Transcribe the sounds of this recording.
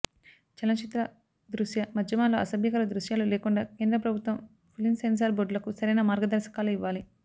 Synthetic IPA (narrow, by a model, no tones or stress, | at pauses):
t͡ʃɛlɐt͡ʃit̪ɾɐ | d̪ɾuʂjɐmɐd̪jɐmaːnloːʔɐsɐbjɐkɐlɐd̪ɾuʃjaːluleːkuɳɖaːke̞ːnd̪ɾɐpɾɐbʱut̪ʋɐm | pʰulinsens̬aːɾboːɖlɐkusɐɾɐjnɐmaːɾɡɐd̪ɐɾʃɐ̥kaːluiʋːaːli